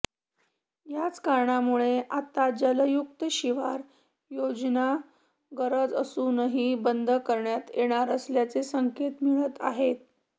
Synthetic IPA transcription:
jat͡skaɾɳamuɭeʔat̪ad͡ʑələjukt̪əɕiʋaɾ | jod͡zna | ɡəɾəd͡zəsunəɦibənd̪ʱəkəɾɳjat̪jeɽ̃aɾəsljat͡sesəŋket̪miɭət̪a̰ɦet̪̚

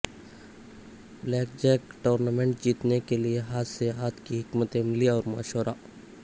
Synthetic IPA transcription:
blɛːk̚d͡ʒɛːkʈoːɾnaːmẽɳʈ̚d͡ʒiːt̪nekelieɦaːt̪seɦaːt̪ʰkiɦɪkmət̪ẽmɪliɔːɾma̰ːʃəɾaː

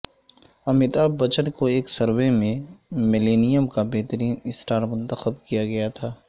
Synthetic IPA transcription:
ɐmɪt̪aːbɐt͡ʃəɽkoeːksɐɾwemẽmɪleːnijəmkabeɦt̪əɾiːnɪsʈaːɾmʊ̃nt̪əxəb̚kijaɡɐjat̪ʰaː

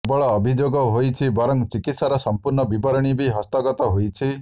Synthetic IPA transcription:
bɔɭɔːbʱid͡ʒoɡɔɦojt͡ʃʰibɔɾɔŋt͡ʃikit̪saɾɔsɔmpuɾɳɔbibɔɾɔɽ̃ibiɦɔst̪ɔɡɔt̪ɔɦojt͡ʃʰi

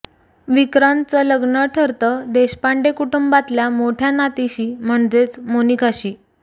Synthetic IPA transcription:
ʋikɾant͡sələɡnəʈʰəɾt̪əːd̪eɕpaɳɖekuʈumbat̪ljamoʈʰjanat̪iɕiːm̤əɳd͡zet͡smonikʰaɕiː

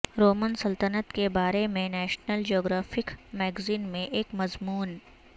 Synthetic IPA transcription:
ɾoːmənsɐlt̪ənət̪kebaːɾemẽnɛːʃnəld͡ʒioːɡɾaːfɪkmɛːɡziːnmẽʔeːkmɐzmuːn

